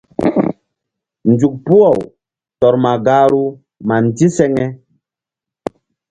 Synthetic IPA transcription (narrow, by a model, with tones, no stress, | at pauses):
nd͡ʒu˨k̚pu˦ɔ˨w | tɔ˨ɾma˨ɡaː˨˦ɾu˦ | ma˨n˨ti˦sɛ˦ŋɛ˦